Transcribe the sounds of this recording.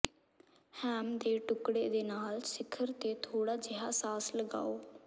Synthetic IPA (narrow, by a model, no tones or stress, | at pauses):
hɛːmd̪eːʈʊkɽeːd̪eːnaːlsɪkʰəɾt̪eːt̪ʰoːɽaːd͡ʒɪɦaːsaːsləɡa̰ːoː